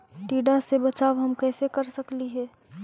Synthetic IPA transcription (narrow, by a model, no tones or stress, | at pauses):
ʈiːɖasebɐt͡ʃaːʋɦɐmkɛːsekəɾsəkliɦɛː